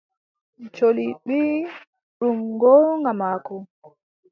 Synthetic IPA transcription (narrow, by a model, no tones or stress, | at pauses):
t͡ʃoliɓi | ɗuŋɡɔŋamaːkɔ